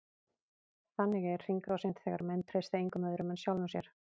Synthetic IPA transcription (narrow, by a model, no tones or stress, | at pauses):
θanːɪɣɛɛɾ̥r̥iŋkɾɔwsent̪θɛːɣaɾmɛnt̪ʰɾejst̪aeŋkʏmœðʏɾʏmɛnsjawlɔsjɛɾ̥